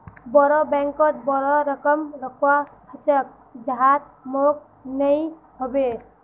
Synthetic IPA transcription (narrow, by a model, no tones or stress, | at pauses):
bɔɾɔbɛŋkɔt̪̚bɔɾɔɾəkəmɾəkʰwahət͡ʃək̚ | d͡ʒəɦat̪̚ | mok̚ | nəj | ɦobe